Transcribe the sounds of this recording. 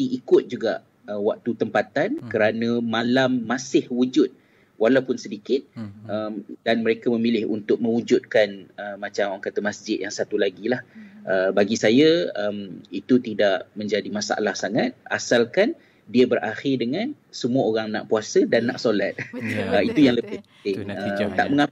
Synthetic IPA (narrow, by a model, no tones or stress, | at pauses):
t̪iʔikʊt̪̚d͡ʒuɡa̰ʔ | əwak̚t̪ut̪əmpat̪ankəɾanə̃ːalamːasɪhwud͡ʒʊt̪̚ | walawpʊnsədikɪt̪̚əmdanməɾekaməmilɪhṵnt̪ʊk̚mə̃wud͡ʒʊt̪̚kanəːat͡ʃamaŋkat̪əmasd͡ʒɪt̪̚jaŋsat̪ulaɡilahʔəbaɡisajaəmit̪ut̪idaʔmə̃ɲd͡ʒadimasa̰ʔa̰lahsaŋat̪̚a̰salkan | diabəɾʔaxɪrdəŋãn | səmuaoɾaŋna̰ʔpuasədanːaʔsolat̪̚əit̪ujaŋləbɪhpənt̪ɪŋət̪aʔməŋa